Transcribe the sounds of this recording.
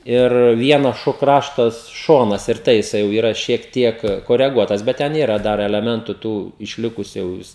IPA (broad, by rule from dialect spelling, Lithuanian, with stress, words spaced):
ɪr ˈʋʲiɛnɐs ˈʃoː ˈkrɑːʃtɐs ˈʃoːnɐs ɪr ˈtɐɪ jɪˈsɐɪ jɛʊ iːˈrɐ ʃʲiɛk ˈtʲiɛk koːrʲɛˈɡuɔtɐs ˈbʲɛt ˈtʲɛn ˈiːrɐ ˈdɐr ɛlʲɛˈmʲɛntʊ ˈtuː ɪʃʲˈlʲɪkʊsʲʊ jɛʊ ˈʋʲɪs